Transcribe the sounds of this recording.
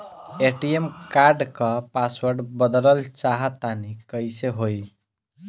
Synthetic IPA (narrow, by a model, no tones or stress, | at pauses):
eʈiemkaɾɖkəpaswəɾɖbəd̪ləlt͡ʃaɦət̪anikəjseɦoj